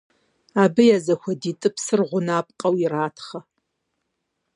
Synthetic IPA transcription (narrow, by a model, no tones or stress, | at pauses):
aːbɨjazɐxʷɐdiːtʼɨpsɨrʁʷʊnaːp̚ʼqʼɐwiraːtʰχɐ